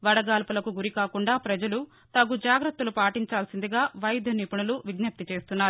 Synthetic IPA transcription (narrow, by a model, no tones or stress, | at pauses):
ʋɐɽɐɡaːlpulɐkuɡuɾikaːkuɳɖaːpɾɐd͡ʒɐlu | t̪ɐɡud͡ʒaːɡɾɐt̪ːɐlupaːʈiɲt͡ʃaːlsind̪iɡaːʋɐjd̪ʱɐniːpuɳuluʋiɡnɐp̚t̪it͡ʃe̞ːst̪unːaːɾu